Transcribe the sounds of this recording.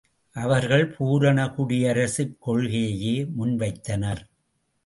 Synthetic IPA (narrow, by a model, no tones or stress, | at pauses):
ʔɐʋɐɾɣɐɭpʰuːɾɐɳɐkʊɽɪjɐɾɐsɪkːɔɭɣejɐjeːmʊnʋɐɪt̪ːɐnɐɾ